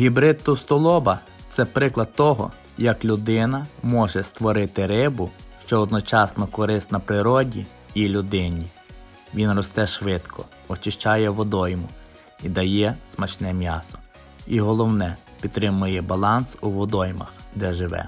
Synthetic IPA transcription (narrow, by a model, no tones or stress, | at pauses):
ɦʲibɾɪt̪ːʊst̪ɔlˠɔbɐ | t̪sɛpɾɪklˠɐd̪̚t̪ɔɦɔ̰ | jɐklʲʊd̪ɪnɐmɔʒɛst̪ʋɔɾɪt̪ɪɾɪbʊ | ʃt͡ʃɔɔd̪nɔt͡ʃɑsnɔkɔɾɪst̪nɐpɾɪɾɔdʲi | ilʲʊd̪ɪnʲi | ʋʲinrɔst̪ɛʃʋɪt̪kʰɔ̰ | ɔt͡ʃɪʃt͡ʃɑjɛʋɔd̪ɔjmʊ | id̪ɐjɛsmɐt͡ʃnɛmʲjɑ̰sɔ̥ | iɦɔlˠɔwnɛ | pʲid̪t̪ːɾɪmʊjɛbɐlˠɑnsuʋɔd̪ɔjmɐ̰xd̪ɛʒɪʋɛ̰